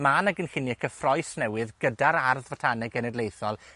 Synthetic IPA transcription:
maːnaɡənhɪniakʰəfrɔɨsnɛwɨðɡədaɾarðvatʰanɛɡɛnɛdlejθɔlˠ

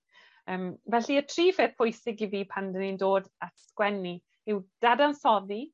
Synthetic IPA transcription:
əːmvɛɬiətʰriːfeθpʰʊjsɪɡiviːpʰandənindoːdatskwɛni | ɪwd̥adansɔði

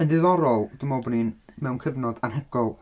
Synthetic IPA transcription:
əndɨðɔɾɔlˠd̥umɔbɔninmɛwnkʰəvnɔdanɦɛɡ̥ɔlˠ

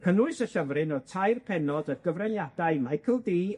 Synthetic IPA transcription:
kʰənʊɨsəɬəvrɨnɔtʰajrpʰɛnɔdəɡ̥əvrɛnjadaɨmajkʰəlˠdiː

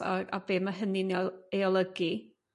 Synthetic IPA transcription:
a̰a̰beːmaɦənineɔeɔlˠəɡi

